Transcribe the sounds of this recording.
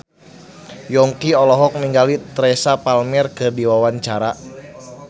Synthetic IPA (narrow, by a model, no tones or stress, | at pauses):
jɔŋkiɔlɔɦɔk̚niŋɡalit̪ɾɛsapalmɛrkɨrdiwawaɲt͡ʃaɾa